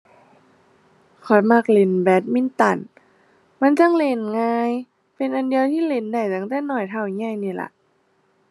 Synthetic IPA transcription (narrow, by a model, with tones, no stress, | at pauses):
kʰɔ˧˩jma˧˩k̚le˧˩nbɛː˨˦˥t̪̚mi˧˥˨nt̪a˧˩n | ma˧˥˨nt͡ɕa˧˥˨ŋle˧˩nŋaː˧j | pe˧nʔa˨˧˨ndi˧ə˧wt̪ʰiː˧˥˨le˧˩nda˧˩jt̪a˧˩˨ŋt̪ɛː˧˥˦nɔː˧˩jt̪ʰa˧˩wŋa˧˩˨jniː˧˩la̰˧˦ʔ